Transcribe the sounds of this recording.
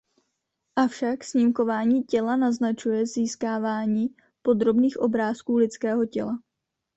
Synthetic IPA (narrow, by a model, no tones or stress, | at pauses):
ʔafʃaksɲimko̞vaːɲiːcɛlanaznat͡ʃujɛziːskaːvaːɲiː | po̞d̪ɾo̞bniːxʔo̞bɾaːskuːlɪt͡skɛːɦo̞cɛ̰la